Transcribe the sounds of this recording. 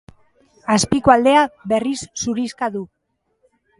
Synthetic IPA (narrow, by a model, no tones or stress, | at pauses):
aspikoald̪e̞aβe̞risːuɾiskaðu